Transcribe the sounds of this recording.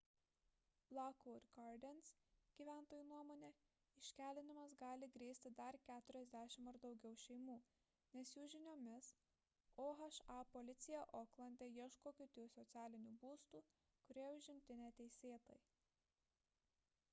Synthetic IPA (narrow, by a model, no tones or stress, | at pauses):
lˠɑkuːɾʲɡɑɾd̪ʲɛns | ɡ̥ʲiːʋʲæˑnt̪oːjuːnuɔmoːnʲɛ | ɪʃʲkʲæːlʲɪnʲɪmɐsɡɑːlʲɪɡɾʲeːsʲt̪ʲɪd̪ɐɾkʲæːt̪ʊɾʲɛzʲd̪ʲæːʃʲɪmɐɾd̪ɒʊɡʲɛʊʃʲɛɪmuː | nʲɛsjuːʒʲɪnʲoːmʲɪs | oːɦɐʃɑːpɔlʲɪt̪sʲɪjɛʔoːklˠɐnʲd̪ʲɛjiɛʃkoːkʲʊt̪ʲuːsɔt̪sʲæːlʲɪnʲuːbuːst̪uː | kʊɾʲiɛʊʒʲɪmʲt̪ʲɪnʲæt̪ʲɛɪsʲeːt̪o̰j